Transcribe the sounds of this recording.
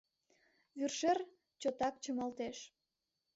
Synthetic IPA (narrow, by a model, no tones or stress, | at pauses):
βyrʃer | t͡ɕot̪ɑk̚t͡ɕəmɑlt̪eʃ